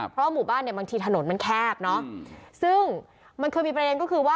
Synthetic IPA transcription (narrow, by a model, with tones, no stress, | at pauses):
ppʰɾɔ˦wa˥˩muː˨˩baː˥˩nːi˥˩ɐbaː˧ŋt̪ʰiː˧t̪ʰa˧no˩˦nma˧nkʰɛː˥˩p̚nɔ˦˥sɯ˥˩ŋ | ma˧nkʰɤː˧jmiː˧pɾa˧e˧nkɔː˥˩kʰɯː˧waː˥˩